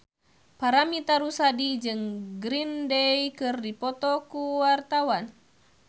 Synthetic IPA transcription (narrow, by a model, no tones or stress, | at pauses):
paɾamit̪aɾusadid͡ʒɨŋɡɾindejkɨrdipɔt̪ɔkuwart̪awan